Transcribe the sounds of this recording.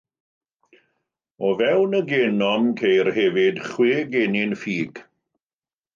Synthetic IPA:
ɔvɛwnəɡeːnɔmkʰejrhɛvɪd̥χwɪːɡenɪnfiːɡ̥

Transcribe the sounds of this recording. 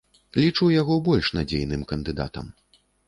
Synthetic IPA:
lʲit͡ʂuwjaɣɔbɔlʲʂnad͡zʲejnɨmkɐnd̪ɨd̪a̰t̪ɐ̰m

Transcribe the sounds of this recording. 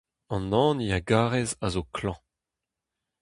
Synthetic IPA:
ɑ̃nɑ̃ːnijaɡaːʁɛzazokʰlɑ̃

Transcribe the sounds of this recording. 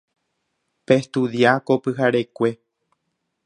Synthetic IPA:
pest̪uðjakopɨɦaɾe̞kʷe̞

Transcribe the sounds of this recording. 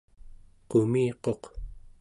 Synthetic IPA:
qomiːqo̞q

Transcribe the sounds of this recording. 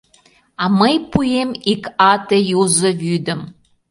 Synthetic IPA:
ɑməjpujemikɑt̪ejuzə̆vyd̪ə̆m

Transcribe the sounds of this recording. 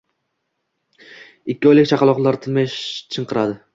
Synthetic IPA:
ɪkʲʰːɪɒjlɪk̚ʲt͡ʃʰaqɑlˠɒqlˠaɾt̪ʰɪnmajʃt͡ʃʰɨɴqɨɾad̪ɪ

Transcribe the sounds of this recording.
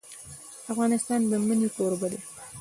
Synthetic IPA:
afɣɑnɪst̪ɑnd̪əmənikoɾbad̪e

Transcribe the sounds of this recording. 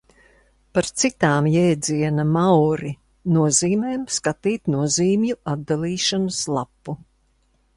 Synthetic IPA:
paɾt̪sit̪aːmjɛːd̪ziɛnɐmawɾi | nuɔziːmeːmskat̪iːt̪nuɔziːmjuʔad̪̚d̪alˠiːʃanaslˠapːu

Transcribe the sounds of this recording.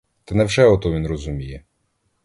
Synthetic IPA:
t̪ɛnɛwʒɛɔt̪ɔʋʲinrɔzumʲijɛ

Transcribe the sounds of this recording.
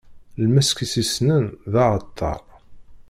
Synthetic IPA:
lmæskisisnənðɑʕət̪ʰːɑ̰ɾˤ

